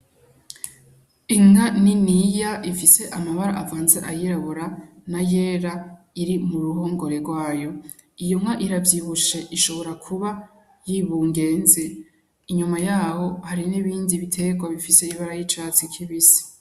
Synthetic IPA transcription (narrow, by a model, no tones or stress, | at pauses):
iŋaninijaʔifise̞ʔamaβaɾaʔavaːnzeʔajiɾaβoɾanajeːɾa | iɾimuɾuɦoŋɡo̞ɾe̞ɡwaːjo̞ | ijoŋaʔiɾavjiβuʃe̞ʔiʃo̞βo̞ɾakʰuβa | jiβuːŋɡe̞ːnze | iɲumajaːho̞haɾiniβiːndiβitʰe̞ɡwaβifise̞iβaɾajit͡ʃaːt͡sikʰiβisi̥